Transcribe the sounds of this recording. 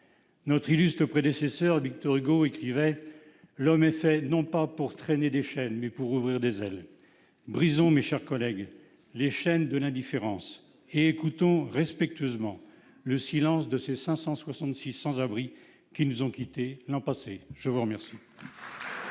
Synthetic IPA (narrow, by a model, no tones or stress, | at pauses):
nɔt̪χilyst̪χəpχed̪esesœʁvik̚t̪ɔʁyɡoekχivɛ | lɔmɛfɛnɔ̃papuʁt̪χened̪eʃɛnmɛpuʁuvʁiʁd̪ezɛl | bʁizɔ̃meʃɛʁkɔlɛɡ | leʃɛnd̪əlɛ̃d̪ifeʁɑ̃s | eːkut̪ɔ̃ʁɛspɛk̚t̪ɥøzmɑ̃ | ləsilɑ̃sd̪əsesɛ̃sɑ̃swasɑ̃t̪sisɑ̃zabʁi | kʲinuzɔ̃kʲit̪elɑ̃paseʒ̥əvuʁəmɛʁsi